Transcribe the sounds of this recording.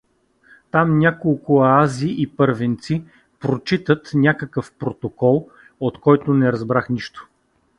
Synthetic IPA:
t̪amnʲakolˠkʊaziʔipɤɾvint̪si | pɾot͡ʃit̪ət̪nʲakəkəfpɾot̪okɔlˠ | ot̪kɔjt̪ʊnɛɾɐzbɾaxniʃt̪o̥

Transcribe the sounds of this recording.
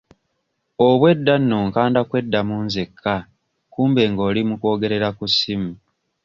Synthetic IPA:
oβwe̞dːanːoːŋkaːndakwe̞dːamuːnzekʰːa | kuːmbe̞ːŋɡo̞ːlimuko̞ːɡe̞ɾe̞ɾakusimu

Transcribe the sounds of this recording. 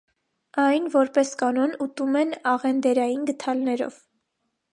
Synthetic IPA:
ɑjnvɔɾpɛskɑnɔnut̪umɛnɑʁɛnd̪ɛɾɑjinɡət̪ʰɑlnɛɾɔ̰v

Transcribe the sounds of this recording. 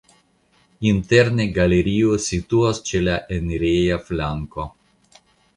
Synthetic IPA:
int̪eɾneɡaleɾiosit̪uast͡ʃelaʔeneɾejaflaŋko

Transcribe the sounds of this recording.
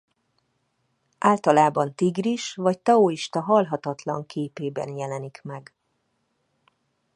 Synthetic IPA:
ʔaːlt̪ɒlaːbɒnt̪iɡriʃvɒct̪ɛoːiʃt̪ɒɦɒlɦɒt̪ɒt̪lɒ̰ŋkʰeːpeːbɛ̰njɛlɛnikmɛɡ

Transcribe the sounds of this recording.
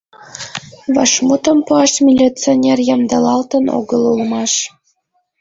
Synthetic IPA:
βɑʃmut̪ə̆mpuɑʃmʲilʲit͡sionʲerjɑmd̪ɑlɑlt̪əno̰ɡəlulmɑʃ

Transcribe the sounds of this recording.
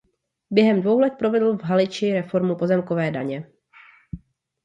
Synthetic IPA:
bjɛɦɛmdvo̞wlɛt̪̚pɾo̞vɛdl̩vɦalɪt͡ʃɪɾɛfo̞ɾmupo̞zɛmkovɛːda̰ɲɛ

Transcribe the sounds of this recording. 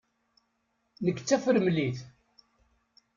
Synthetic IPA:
nəkːt͡sːæfəɾəmliθ

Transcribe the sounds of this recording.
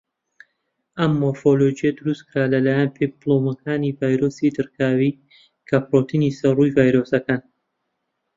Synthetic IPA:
ɐmːofolod͡ʒijɐd̪ʊɾust̪kɾaːlɐlaːjanpiplˠomɐkʰaːnivaːjɾosid̪ɨɾkʰaːwi | kʰɐpɾoːt̪ʰinisɐrujvaːjɾosɐkaːn

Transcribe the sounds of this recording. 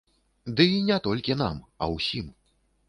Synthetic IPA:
d̪ɨinʲɛt̪ɔlʲkʲin̪a̰mɐ̰wsʲim

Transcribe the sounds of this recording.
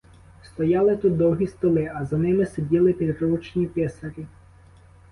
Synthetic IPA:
st̪ɔjɑlˠɪt̪ut̪̚d̪ɔwɦʲist̪ɔlˠɪɐzɐnɪmɪsedʲilˠɪpʲid̪rut͡ʃnʲipʲɛsɐɾʲi

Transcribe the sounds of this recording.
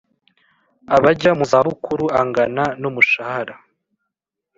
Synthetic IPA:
aβaɟamuzaːβukuɾuaŋɡananomuʃahaɾa

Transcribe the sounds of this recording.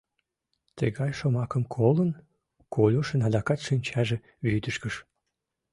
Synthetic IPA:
t̪ə̰ɣɑjʲʃomɑkəmkʰolən | kʰolʲuʃənɑd̪ɑkɑt̪ʃinʲt͡ɕɑʒĕ | βyd̪əʃkəʃ

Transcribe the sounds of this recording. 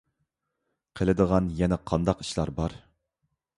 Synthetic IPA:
qʰəlɪd̪əʁɑnjɛnɛqʰɑnd̪ɑqi̥ʃlˠɑɾbɑɾ

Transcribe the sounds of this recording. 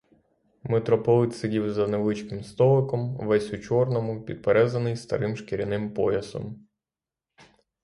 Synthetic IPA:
met̪ɾɔpɔlˠɪt̪ʲsɪdʲiwzɐneʋlˠɪt͡ʃkɪmst̪ɔlˠɪkɔmʋɛsʲʊt͡ʃɔrnɔmʊpʲid̪̚peɾɛzɐnɪjst̪ɐ̰ɾɪmʃkeɾʲɐnɪmpɔjɐsɔ̰m

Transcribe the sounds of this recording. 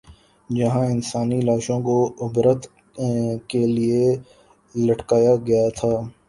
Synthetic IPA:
d͡ʒɐɦãɪnsaːnilaːʃõkoʊbɾət̪ | kelie | lɐʈkaːjaɡɐjat̪ʰaː

